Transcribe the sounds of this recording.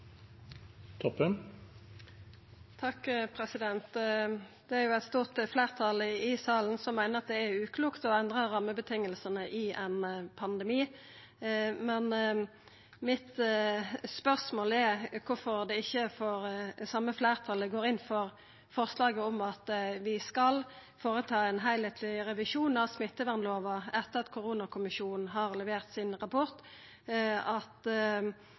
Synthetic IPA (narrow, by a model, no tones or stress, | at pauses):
t̪ʰɔpːən | t̪ʰɑkːpʰʁɛsɪd̪ɛnt̪ | d̪̥ɛæʁjʊɛɪt̪st̪uːʁt̪flæːʁt̪ʰɑləɪsɑːln̩sɔmːæɪnəʁɑt̪̚d̪ɛːɾʉːkʰluːkt̪ɔɛnd̪ʁəɾɑmːəbət̪ʰɪŋːəlsənəʔɪʔɛnpʰɑnd̪ɛmiː | mɛn | mɪt̪ | spœʁsmoːlɛɾkʰʊfɔʁd̪ɛɪçːəfɔʁsɑmːəflæːʁt̪ʰɑləɡoːɾɪnfɔʁ | fɔʁslɑːɡəɔmɑt̪ʋɪskɑlfoːʁət̪ʰɑːɛnɦæɪlheːt̪ʰlɪɾɛʋɪʃuːnɑsmɪt̪ːəʋɛʁnloːʋɑɛt̪ːəʁɑt̪kʰʊɾuːnɑkʰʊmɪʃuːnn̩ɦɑʁlɛʋeːʁt̪sɪnʁɑpʰɔʁt̪ | ɑt̪